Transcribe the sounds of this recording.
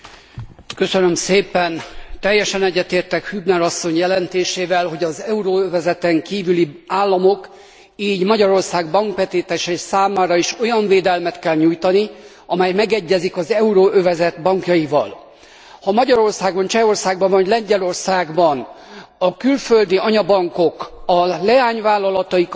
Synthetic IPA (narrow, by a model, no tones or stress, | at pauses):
kø̞sønømseːpɛnt̪ɛjːɛʃɛnɛɟːɛt̪eːrt̪ɛkhybnɛɾɒsːo̞ɲjɛlɛnt̪eːʃeːvɛlɦo̞ɟɒzɛuɾoːøvɛzɛt̪ɛŋkiːvyliaːlːɒmo̞k | iːɟmɒɟɒɾo̞rsaːɡbɒŋkʋɛt̪eːt̪ɛʃɛsaːmaːɾɒiʃo̞jɒɱveːd̪ɛlmɛt̪kɛlɲujt̪ɒni | ɒmɛjmɛɡɛɟːɛzikɒzɛuɾoːʔøvɛzɛt̪bɒŋkjɒjivɒ̰l | hɒmɒɟɒɾo̞rsaːɡbɒnt͡ʃɛo̞rsaːɡbɒɱvɒɟlɛɲɟɛlo̞rsaːɡbɒn | ɒkylføld̪iɒɲɒbɒŋko̞kɒlɛaːɲvaːlːɒlɒt̪ɒjik